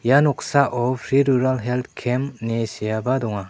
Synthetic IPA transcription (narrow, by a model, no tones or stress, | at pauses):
janɔksaʔɔpʰɾiɾuɾalɦelt̪̚ʰkʰemnesijabadɔŋa